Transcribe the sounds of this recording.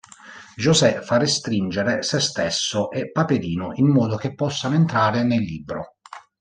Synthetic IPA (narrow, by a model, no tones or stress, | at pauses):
d͡ʒozɛfarːest̪ɾind͡ʒeɾesest̪esːoʔɛpːapeɾiːnʊʔimːɔːd̪ok̟epːɔsːanoent̪ɾaːɾɪnelːiːbɾo